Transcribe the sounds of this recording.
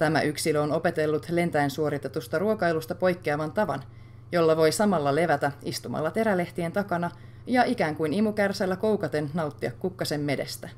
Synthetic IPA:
t̪æmæ̰ʔyksiløono̞pe̞t̪e̞lːut̪le̞nt̪æensuo̞ɾit̪e̞t̪ust̪ɑruokɑjlust̪ɑpo̞jkːeɑʋɑnt̪ɑʋɑ̰n | jo̞lːɑʋo̞jsɑmɑlːɑle̞ʋæt̪æist̪umɑ̰lːɑt̪e̞ɾæle̞ht̪ie̞nt̪ɑkɑnɑ | jɑʔikæːŋkujnimukærsælːæko̞wkɑt̪e̞nnɑut̪ːiɑkːukːɑse̞mːe̞de̞̰st̪æ

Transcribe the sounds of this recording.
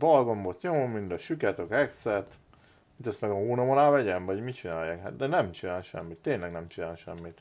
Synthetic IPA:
vɒlɡombot̪ɲomomːind̪ɒʃykɛt̪økɛksɛt̪ | it̪ɛst̪mɛɡɒhoːnɒmolaːvɛɟɛnvɒɟmit͡ʃinaːjːaːkha̰t̪d̪ɛnɛmt͡ʃinaːlʃɛ̰mːit̪ːeːnlɛɡnɛmt͡ʃinaːlʃɛmːit̪

